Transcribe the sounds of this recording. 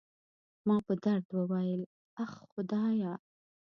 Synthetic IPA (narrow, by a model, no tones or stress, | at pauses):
mɑpəd̪aɾd̪wəwajəl | axxʊd̪ɑjɑ